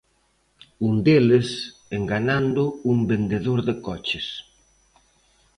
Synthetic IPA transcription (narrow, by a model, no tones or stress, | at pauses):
und̪elɪs | eŋɡanand̪ʊumbend̪eðoɾðɪkɔt͡ʃɪs